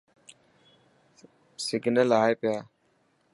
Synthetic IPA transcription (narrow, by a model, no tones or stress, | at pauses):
sɪɡnəlaːeːpɪjaː